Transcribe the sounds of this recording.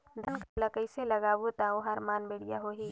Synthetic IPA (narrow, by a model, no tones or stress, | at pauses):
d̪ɐnkaləkəɪselɐɡaːwot̪aoɦaːɾmaːnbeɽɪja̰ɦoːɦiː